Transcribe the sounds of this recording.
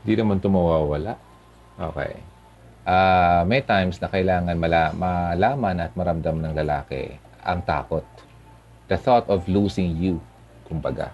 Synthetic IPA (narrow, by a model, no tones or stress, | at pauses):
ɪnd̪inɐmant̪ʊmawawɐlaʔ | ʔo̰ːkɛ̰j | ʔamɛjt̪ajmsnɐkɐʔɪlaːŋɐnmɐlamalaːmɐnɐt̪̚mɐɾɐmd̪amnɐŋlɐlaːkɛ̰ | ʔɐ̰ŋt̪a̰ːkot̪̚ | d̪̥ɐθɔt̪ɔvluːsɪŋju | kʊmbɐɡa̰